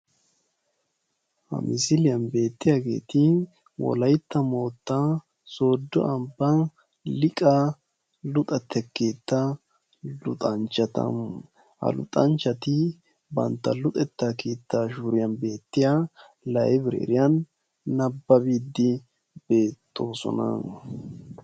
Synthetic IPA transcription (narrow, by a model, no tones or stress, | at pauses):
hɐ̰mɪsɪlɪjɐnbe̞ːt̪ːɪjaɡe̞̰ːt̪ɪ | wɔ̰lɐjt̪ːɐmo̞ːt̪ːa | so̞ːd̪ːɔʔɐmbːɐ | lɪkʼa | lʊt̪ʼɐt̪ʰːɛkːeːt̪ːɐ | lʊt̪ʼɐnt͡ʃɐt̪ɐ̰ | hɐ̰lʊ̰t̪ʼɐnt͡ʃɐt̪ɪ | bɐ̰nt̪ːɐlʊt̪ʼɛt̪ːakiːt̪ːaʃuɾɪjɐnbe̞ːt̪ːɪja | lɐʔɛbɪɾɛ̰ɛ̰ɾɪjɐnː | ɐbːɐbiːd̪ːɪ | b̥e̞ːt̪ːo̞ːsɔ̰nɐ̰